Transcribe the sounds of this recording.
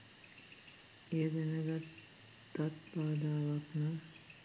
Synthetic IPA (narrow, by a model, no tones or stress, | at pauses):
ejəd̪enəɡat̪ | t̪ːat̪baːd̪aːʋakna